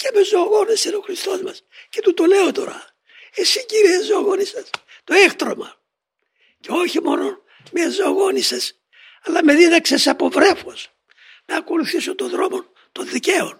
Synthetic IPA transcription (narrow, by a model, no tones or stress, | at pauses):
cemezoɣo̞neseno̞xɾist̪o̞zmɐsce̞t̪ut̪ole̞o̞t̪o̞̰ɾɐ | esiɲɟiɾiezooɣo̞nisɐs | t̪o̞ext̪ɾo̞mɐ | ce̞o̞çimo̞no̞ | mezoaɣo̞nises | ɐlɐme̞ðiðɐksesɐpo̞vɾe̞fos | nɐko̞luθisot̪o̞nðɾo̞mo̞n | t̪o̞nðiceo̞n